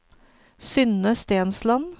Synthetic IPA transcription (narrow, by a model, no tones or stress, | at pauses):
sʏnəst̪eːnslɑn